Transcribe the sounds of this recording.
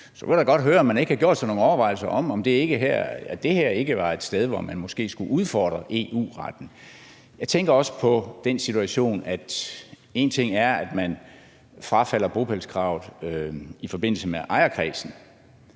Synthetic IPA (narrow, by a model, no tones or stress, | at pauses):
sɒ̽ʋe̝ldɑɡ̥ɒ̽d̥ɦøːɐɒ̽mːæne̝ɡ̥əhɑ̈ɡ̥jo̝ɐ̰d̥sɒno̝ːŋ̩ɒʊɐʋɑ̈ɪl̩sɐʔɒ̽m̰ɒ̽md̥e̝e̝ɡ̥əɦæ̰ɐ̰æd̥e̝hæɐ̰e̝ɡ̥əʋɑ̈e̝d̥sd̥eð̞ˠʋɒ̰mænmɒ̽sɡ̥e̝̰ːsɡ̥uʔuð̞ˠfɒ̰ːd̥ʁɐʔe̝̰ṵːʁɑd̥n̩ | jɑ̈ɪt͡sʰeŋɡ̥ɐɒ̽sə̥pʰɒ̽d̥ensit͡sʰuæɕo̝̰ːnæd̥ | e̝ːnt͡sʰe̝ŋ̰æɐæd̥mæn | fʁɑ̈fæl̰ɐb̥o̝pʰælskʰʁɑ̈ʊð̩ˠøifɒ̽b̥e̝n̰l̩səmeʔɑ̈ɪɐkʰʁɛ̰ːsn̩